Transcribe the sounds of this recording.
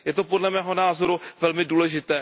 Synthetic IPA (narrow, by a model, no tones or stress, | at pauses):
jɛt̪o̞podlɛmɛːɦonaːzo̞ɾuvɛlmɪduːlɛʒɪt̪ɛː